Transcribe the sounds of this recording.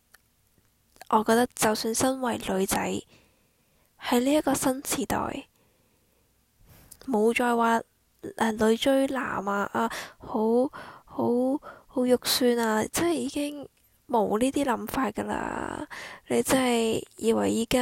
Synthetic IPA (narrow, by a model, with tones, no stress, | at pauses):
ʔɔː˨˧kɔː˧t̪ɐ˥k̚t͡sɐ˨wsyː˧nsɐ˥nwɐ˨˩jlɵ˨˧ɥt͡sɐ˨˥j | hɐ˨˧jliː˥jɐ˥kɔː˧sɐ˥nt͡sʰiː˨˩t̪ɔ̰ː˨j | mo˨˧wt͡ʃɔː˨˧jwaː˨˧ | ʔɛ˧lɵ˨˧ɥt͡ʃɵ˥ɥla̰ː˨˩maː˧ʔaː˧ho˨˧˥who˨˥who˨˥wjʊ˨k̚syː˧naː˧t͡sɐ˥nhɐ˨jiː˨˧kɪ˥ŋ | mo˨wliː˥t̪iː˥lɐ˨˧˥mfaː˧t̚kɐ˧la̰ː˧ | le˧jt͡sɐ˥hɐ˨jjiː˨˧wɐ̰˨˩jːiː˨˧ka˦˥